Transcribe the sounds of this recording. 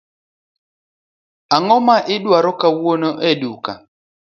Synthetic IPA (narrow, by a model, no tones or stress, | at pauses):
aŋɔmaʔiɗwaɾɔkawwonɔʔɛɗuka̰